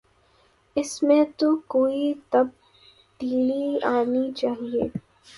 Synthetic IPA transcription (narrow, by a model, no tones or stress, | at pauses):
ɪsmẽt̪okoːit̪ɐb̚ | ɖiːliaːnit͡ʃaːɦieː